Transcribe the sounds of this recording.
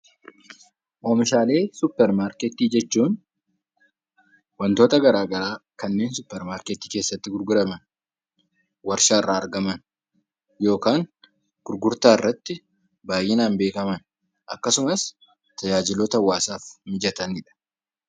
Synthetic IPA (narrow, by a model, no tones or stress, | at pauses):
ʔoːmɪʃaːle̞ːsʊpːɛɾmaːɾket̪iːd͡ʒɛt͡ʃːuːn | wɐnt̪o̞ːt̪ɐɡɐɾaːɡɐɾaːkɐnːe̞ːnsʊpːɛɾmaːɾket̪iːke̞ːsːɐt̪ːɪɡʊɾɡʊɾɐmɐn | wɐɾʃaːɪrːaːɐɾɡɐmɐn | jo̞ːkaːŋ | ɡ̥ʊɾɡʊɾt̪aːɪrːɐt̪ːɪ | baːjʔeːnaːnbe̞ːkɐmɐn | ʔɐkːɐsʊmɐs | t̪ɐd͡ʒaːd͡ʒɪloːt̪ɐɐwːaːsaːfmɪd͡ʒɐt̪ɐnɪᶑɐ̥